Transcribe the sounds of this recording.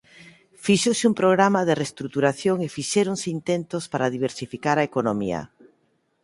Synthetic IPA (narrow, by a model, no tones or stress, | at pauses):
fiʃosɪumpɾoɣɾamaðerest̪ɾut̪uɾaθjoŋefiʃɛɾoŋsɪint̪ent̪ospaɾaðiβ̞eɾsifikaɾaekonomiɐ̰